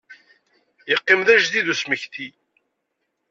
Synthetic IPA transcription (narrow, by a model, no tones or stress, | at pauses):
jəqːɪmðæʒðiðusməçt̪i